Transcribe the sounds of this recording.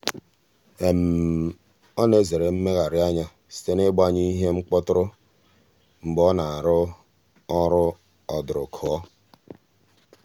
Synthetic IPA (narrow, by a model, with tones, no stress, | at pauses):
e˨m̩˨ | ɔ˦ne˦ze˨ɾe˨m̩˦me˦ɣa˨ɾɪ˦a˦ɲa˦ | si̥˦te˦ne˦ɡ͡ba˦ɲi˦ɦe˦mŋ͡m̩˦k͡pɔ˦tʊ˦ɾʊ˦ | ŋ͡m̩˨ɡ͡bɔ˦na˨a˨ɾʊ˦ | ɔ˦ɾʊ˦ | ɔ˨dɾʊ̰˨kʰʊ˨ɔ˦